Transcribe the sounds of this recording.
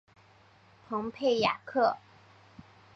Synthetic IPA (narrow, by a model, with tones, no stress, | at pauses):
pʰɤ˧˥ŋpʰe˥˩ɪja̰˨˩kʰɤ˥˩